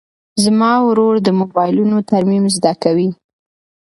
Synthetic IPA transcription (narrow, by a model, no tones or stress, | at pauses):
zmɑwɾoɽd̪əmobɑjlunot̪aɾmimzd̪akawi